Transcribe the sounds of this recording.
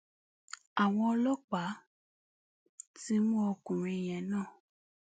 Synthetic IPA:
a˨w̃ɔ̃˧ɔ˧lɔ˦k͡pa˨˦ | ti˦mũ˦ɔ˧kũ˨ɾ̃ĩ˧˨j̃ɛ̃˨nãː˦˨

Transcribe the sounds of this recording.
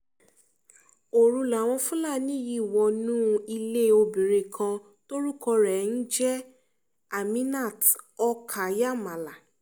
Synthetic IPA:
o˨ɾũ˧la˨w̃ɔ̃˧fũ˦la˦˨nĩ˦ji˦˨wɔ˧nũː˦˧i˧le˦o˧bĩ˨ɾe˨kʰã˧ | to˦ɾu˦kɔ˧ɾɛ˨n̩˦d͡ʒɛ˦ | a˨mĩ˦na˦˨tɔ˧kʰa˨ja˦˨mã˨la˨

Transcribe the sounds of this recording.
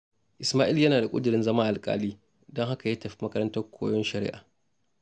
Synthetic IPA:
ʔɪ˨smaː˦ʔɪ˦ljɐ˦naː˨da˨kʷʼʊ̰˦dɪ˨ɾɪ˦nzɐ˦maː˦ʔa˨lkʼa̰ː˦liː˦ | dɔ˦ŋɦa˦ka˨jɐ˦tɐ˨ɸi̥˦mɐ˦kɐ˦ɾɐ˦ntɐ˦rkʷʰo̰ː˦jɔ˦nʃɐ˨ɾɪ̰˦ʔa̰ː˨

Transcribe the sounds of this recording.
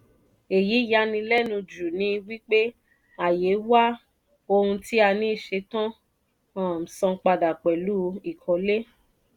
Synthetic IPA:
e˨ji˨˦ja˧˦nĩ˧lɛ˦nũ˧d͡ʒu˨nĩ˧˦˧wi˦k͡pe˦ | a˨je˨˦wa˦ | o˧hũ˧ti˦a˧nĩ˦i˦˨ʃe˧tã˦ | ɔ̃˨m̩˨sɔ̃˧k͡pa˧da˨k͡pɛ˨lu˦i˦˨kʰɔ˨˦le˦

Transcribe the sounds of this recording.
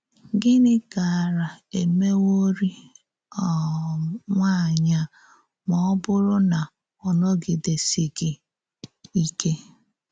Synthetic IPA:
ɡɪ˦nɪ˦ɡa˨ɾa˨e˨me˦wo˦ɾi˦ | ɔ˨ | ŋʷa˦˨ɲa˦ | mɔ˨ɔ˦bʊ˦ɾʊ˦na˨ | ɔ˨nɔ˦ɡɪ˨de˨si˨ɡɪ˨ | i˦ke˦

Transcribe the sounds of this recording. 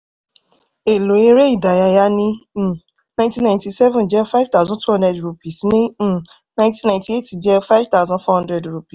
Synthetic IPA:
e˨lo˨e˧ɾe˦i˦˨da˨ja˧ja˧nĩ˦˨ | nã˦j̃tĩ˦nã˨ɪ̃nti˧sɛ˦vũ˨d͡ʒɛ˦fa˦jv̥t̪a˦zɔ̃˦tʰu˦hɔ̃ndɛ˦dɾu˧pi˨snĩ˦˨ | nã˦tĩ˦nã˨nti˦e˦˨ti˨d͡ʒɛ˦fa˦jvt̪a˦ʊzɔ̃˦nfɔ˦hɔ̃˦dɾɛ˨dɾu˧pi˨s

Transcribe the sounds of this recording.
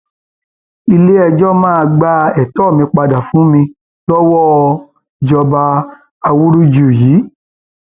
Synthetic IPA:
i˧le˦ɛ˧d͡ʒɔ˦mãː˦a˧ɡ͡ba˦ɛ˨tɔ˦˨mĩ˧k͡pa˧da˨fũ˨˦mĩ˧ | tɔ˦wɔ˦˨ | d͡ʒɔ˧ba˧ | a˧wu˦ɾu˦d͡ʒu˨jiː˨˦

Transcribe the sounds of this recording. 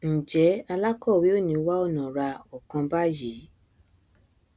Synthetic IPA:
n̩˨d͡ʒɛ˨˦a˧la˦kɔ˦˨wi˨˦o˦˨nĩ˧˦wa˦ɔ˦˨nã˨ɾa˧ɔ˨kã˧ba˦ji˨˦

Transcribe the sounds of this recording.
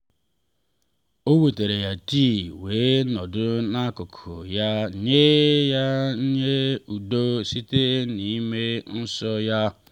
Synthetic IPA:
o˦wu˨te˨ɾe˨ja˨ti˦˨we˨˦nɔ˨dʊ˦na˦ko˨kʰo̰˨ja˦ɲe˦ja˦ɲ̩˦ɲe˦u˨do˦si˦te˦ni˨i˦me˦n̩˦sɔ˦ja˦

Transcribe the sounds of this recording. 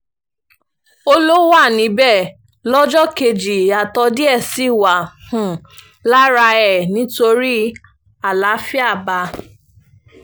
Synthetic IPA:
o˦lo˦wa˦˨nĩ˨˦bɛ˦˨ | lɔ˦d͡ʒɔ˦ke˧d͡ʒi˨a˨tɔ˧di˦ɛ˦˨si˦˨wa˨hũ˨ | la˦ɾa˧ɛ˨nĩ˨˦to˧ɾi˦ | a˦˨la˨˦fi˦a˦˨ba˧

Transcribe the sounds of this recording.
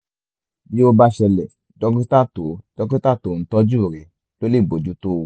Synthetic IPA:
bĩ˦o˧ba˧ʃɛ˨lɛ˨ | dɔ˨˧˦kĩ˦ta˦˨to˨d̥ɔ˨˧kĩ˦ta˦˨to˨˦˨n̩˨˦tɔ˦d͡ʒu˦˨ɾe˨˦ | lo˦le˦˨ɡ͡bo˨d͡ʒu˨˦to˦˨

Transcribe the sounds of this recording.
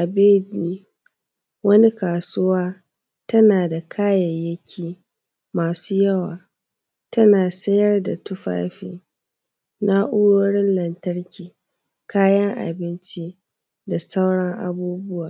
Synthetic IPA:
ʔa˨beː˦dni˦ | wɐ˦ni˦kaː˨su˦waː˦ | tɐ˦naː˨da˨kʰaː˦jɐ˨jjːɐ˦kʲʰiː˦˨ | maː˨suː˦jɐ˦waː˨ | tʰɐ˦naː˨sɐ˦jɐ˦rda˨tʊ˦ɸa̰ː˦ɸḭː˨ | na˦ʔʊ˦ɽoː˦ɽɪ˦nlɐ˨ntɐ˦ɽkʲiː˨ | kʰaː˦jɐ˦ŋʔa̰˨bɪ˦nt͡ʃi˦ | da˨sa˦wɽɐ˦ŋʔa̰˦˨buː˦bʊ˦waː˨

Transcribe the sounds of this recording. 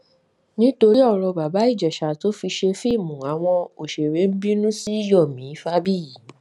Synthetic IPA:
nĩ˦to˧ɾi˦ɔ˦˨ɾɔ˧ba˨ba˨˦i˦˨d͡ʒɛ˨ʃa˨to˨˦fi˧ʃe˧fi˦˨mũ˨a˨˦w̃ɔ̃˧o˨ʃe˨ɾe˨˦m̩˦bĩ˦nũ˦si˦i˦jɔ˦˨mĩ˨˦fa˦bi˦ji˨˦

